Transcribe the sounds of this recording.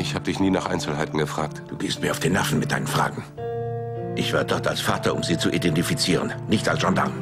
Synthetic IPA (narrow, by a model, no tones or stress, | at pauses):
ʔɪçhaːbədɪçniːnaːχʔa̰ɪnsl̩haɪtn̩ɡəfʁ̥aːk̚td̥uːɡeːst̚miːɐaʊfd̥eːnːɛfn̩mɪt̚d̥a̰ɪnənfʁ̥a̰ːɡŋ̩ | ʔɪçv̥aːɐdɔɐtalsfaːtɐʔʊmziːt͡suʔidɛntifit͡siːʁənnɪçtalsʒ̥ɔnda̰n